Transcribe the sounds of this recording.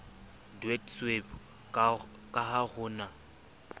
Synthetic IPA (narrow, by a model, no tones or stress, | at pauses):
dwɛdsweb | kʼahaɣʊːna